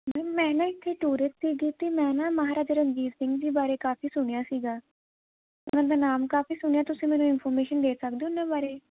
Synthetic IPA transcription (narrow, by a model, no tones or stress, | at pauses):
mɛːmɛ̃ːnãːɪt̪ʰːeːʈuːɾɪst̪siːɡiːt̪eːmɛ̃ːnãːməɦaːɾaːd͡ʒəɾənd͡ʒiːzsɪŋɡd͡ʒiːbaːɾeːkaːfiːsʊɳ̃ejaːsiːɡaː | ʊ̰nãːd̪aːnaːmkaːfiːsʊɳ̃ɪjaːt̪ʊsĩːmɛ̃ːnũːɪnpʰɔːɾmeːʃənd̪eːsəkd̪ẽːnãːbaːɾeː